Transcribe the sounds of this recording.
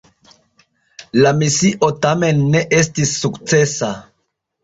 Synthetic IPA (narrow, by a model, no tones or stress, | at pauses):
lamisiʔo̞tame̞nːe̞ʔe̞stisːukt͡se̞sa